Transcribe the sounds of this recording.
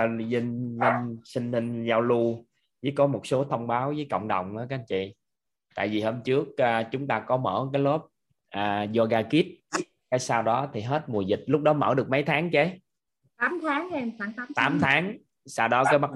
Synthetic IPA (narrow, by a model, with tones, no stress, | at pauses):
zi˧ŋlə˧nsï˧ŋ̟hi˧ŋ̟zaː˧wlu˧ | t͡ɕi˨˦kɔ˨˦mo˨˩t̚so˨˦t̪ʰə˧wŋ͡mɓaː˨˦wvəː˨˦jkə̰˧˨wŋ͡mɗə˨˩wŋ͡mʔə˨˦kːnt͡ɕḭ˧˨ | t̪a̰ː˧˨jvi˨˩həː˧mt͡ɕɨ˦˥ək̚aː˨˩t͡ɕʊ˨˦ŋ͡mt̪aː˧kɔ˨˦mə̰ː˧˩kaː˨˦jlo˦˥p̚ | ʔaː˨˩zɔ˧ɣaː˧ki˦˥ət̚ | kaː˨˦jsaː˧wɗɔ˨˦t̪ʰi˨˩ɦe˦˥t̚mu˨˩əzï˨˩k̚lʊ˦˥k͡p̚ɗɔ˨˦mə̰ː˧˩ɗɨ˨˩ək̚mə˨˦jt̪ʰaː˨˦ŋt͡ɕe˨˦ | t̪aː˨˦mt̪ʰaː˨˦ŋe˧mxwaː˧˩ŋt̪aː˨˦mt̪aː˨˦mt̪ʰaː˨˦ŋ | saː˧wɗɔ˨˦kaː˨˦jma˦˥